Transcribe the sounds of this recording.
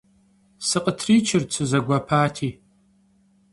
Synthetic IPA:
sɨqʼətʰriːt͡ʃʰɪrt͡sʰɨzɐɡʷɐpʰaːtʰiː

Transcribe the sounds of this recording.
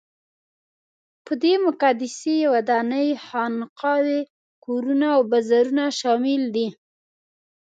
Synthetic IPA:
pəd̪emʊkɑd̪ɪsejawad̪ɑnəjhɑnqɑwe | koɾunaːwbazaɾunaʃɑmɪld̪i

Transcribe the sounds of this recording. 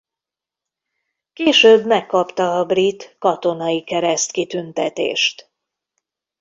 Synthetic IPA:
keːʃøːbmɛkːɒpt̪ɒːbrit̪kɒt̪o̞nɒjikɛɾɛst̪kit̪ynt̪ɛ̰t̪ḛːʃt̪

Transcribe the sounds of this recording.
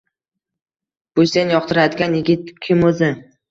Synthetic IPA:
b̥ʊsenjɒq̚t̪ʰɪɾad̪ɪɡʲanjɪɡʲɪt̪̚kʲʰɪmɵzɪ

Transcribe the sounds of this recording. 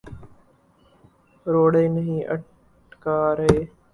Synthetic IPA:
ɾoːɽeːnəɦĩːʔə̰ʈ | kaːɾɦeː

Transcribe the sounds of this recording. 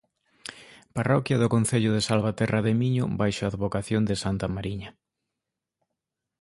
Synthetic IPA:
parɔkjɐðʊkon̟θeʎʊðesalβat̪ɛrɐðemiɲʊ̰bajʃaaːðβokaθjond̪ɪsant̪ɐmaɾiɲɐ

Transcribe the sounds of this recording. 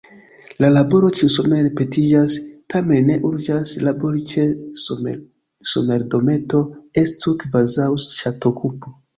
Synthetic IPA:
lalabo̞ɾo̞t͡ʃisome̞ɾepe̞tid͡ʒastʰamenːe̞ʔuɾd͡ʒaslabo̞ɾit͡ʃes | some̞ɾdo̞me̞to̞estukvazawsʃatokʰupu

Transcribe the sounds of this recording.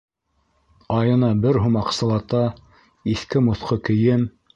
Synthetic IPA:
ɑjɤ̆nɑbɘɾɦumɑqsɤ̆lˠɑt̪ɑ | iθkɘmŏθqɤkɘ̆jɘm

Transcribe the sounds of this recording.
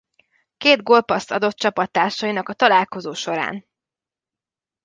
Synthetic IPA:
keːd̪ɡo̞lpɒst̪ɒd̪o̞t̪̚t͡ʃɒpɒt̪ːaːrʃɒjinɒkɒt̪ɒlaːlko̞zoːʃo̞ɾa̰ːn

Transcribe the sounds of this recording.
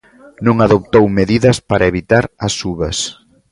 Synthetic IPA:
nõŋaðop̚t̪owmeðiðɐspaɾʔɐeβit̪aɾɐsuβɐs

